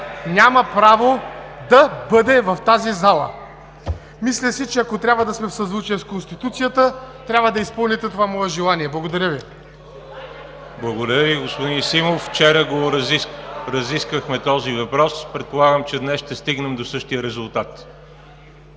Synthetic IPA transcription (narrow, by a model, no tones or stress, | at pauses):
nʲaməpɾavod̪ɐbɤd̪ɛvɐft̪azizalˠə̰ | mislʲəsit͡ʃɛɐkot̪ɾʲabvəd̪ɐsmɛfsɐzvut͡ʃɛskonst̪it̪ut̪sijət̪ət̪ɾʲabvəd̪ɐispɤlˠnit̪ɛt̪ovamɔɛʒɛlˠaniɛblˠɐɡod̪ɐɾʲəvi | blˠɐɡod̪ɐɾjəviɡospod̪insimofːt͡ʃɛɾəɡoɾ | ɾɐziskəxmɛt̪ɔzivɐpɾɔspɾɛt̪̚polˠaɡəmt͡ʃɛd̪nɛsʃt̪ɛst̪iɡnɛmd̪osɤʃt̪ijəɾɛzulˠt̪at̪